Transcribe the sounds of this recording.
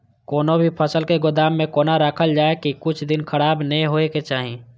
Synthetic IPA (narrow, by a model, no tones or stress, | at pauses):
koːnobʱipʰəsəlkeɡʊd̪aːmːẽkoːnaɾaːkʰəld͡ʒaːekikʊt͡ʃʰd̪ɪnkʰəɽaːbnəẽɦoːeket͡ʃaːɦẽː